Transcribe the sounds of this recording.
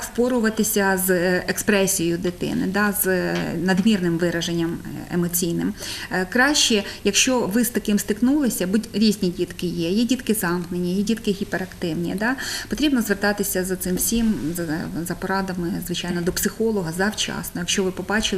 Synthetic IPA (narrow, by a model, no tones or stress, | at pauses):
spɔɾʊʋɐt̪ɪsʲɐzekspɾɛsʲijjʊd̪ɪt̪ɪ̰nɪ̰d̪ɑznɐd̪mʲirnɪmʋɪɾɐʒenʲːɐmḛmɔt͡sʲijnɪ̰mkɾɑʃt͡ʃɛjɐkʃt͡ʃɔʋɪst̪ɐkɪmst̪ɪknulˠɪsʲɐbutʲɾʲizʲnʲidʲit̪kɪjɛjɛdʲit̪kɪzɑmknenʲijɛdʲit̪kɪɦʲipeɾɐkt̪ɪwnʲḭd̪ɑpɔt̪ɾʲibnɔzʋert̪ɑt̪ɪsʲɐzɐt̪sɪmwsʲimzɐzɐpɔɾɑd̪ɐmɪzʋɪt͡ʃɑjnɔd̪ɔpsɪxɔlˠɔɦɐzɐwt͡ʃɑ̰snɔjɐkʃt͡ʃɔʋɪpɔbɑt͡ʃɪl